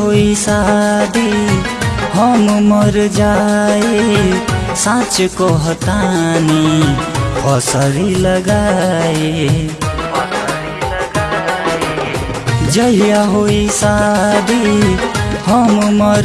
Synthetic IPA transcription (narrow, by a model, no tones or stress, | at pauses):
ɦoisad̪i | hʌmumʌɾd͡ʒaje | sãt͡ʃʌkoɦʌt̪ani | ʌsʌɾilʌɡaje | d͡ʒʌijaɦojsad̪i | hʌmmʌɾ